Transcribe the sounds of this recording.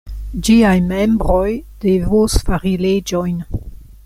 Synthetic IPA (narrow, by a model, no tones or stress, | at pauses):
d͡ʒiajmembɾojd̥evosfaɾiled͡ʒojn